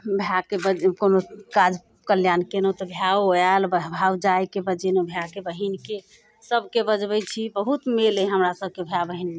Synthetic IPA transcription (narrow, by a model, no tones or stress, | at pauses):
bʱjakebəd͡ʒkonokad͡ʒ | kəljankenot̪ɔbʱjaoojalbəbʱawd͡ʒajkebəd͡ʒenobʱjakebəɦinke | səbʱkebəd͡ʒbɛjt͡ʃʰibəɦut̪meləjɦəmɾasəb̚ʱkebʱjabəɦinːe